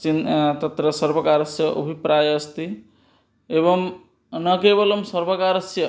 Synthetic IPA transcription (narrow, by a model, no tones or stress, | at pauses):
t͡ʃint̪ɐt̪ɾɐsɐɾbɐkaːɾɐsjɐʔo̰bʱipɾaːjɐːst̪i | ebɐm | nɐkeːbɐlomsɐɾbɐkaːɾɐsjɐ